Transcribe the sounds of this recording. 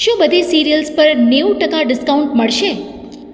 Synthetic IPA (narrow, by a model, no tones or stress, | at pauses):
ʃũbəd̪ʱesiɾijəlspəɾneuʈəkaɖɪskauɳʈməɭʃe